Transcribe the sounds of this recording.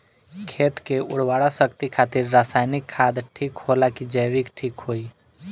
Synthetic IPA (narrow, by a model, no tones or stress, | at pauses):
kʰeːt̪keʊ̰ɽ̤waɽasəkt̪ikʰaːt̪ɪɾːaːsaːɪnɪkʰːad̪ʈʰiːkholakid͡ʒəjʋikʈʰiːkɦoi